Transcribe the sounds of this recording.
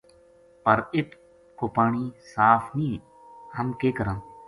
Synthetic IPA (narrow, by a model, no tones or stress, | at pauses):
pəɾɪt̪ | koːpaːɳiːsaːfnĩː | həmkeːkəɾãː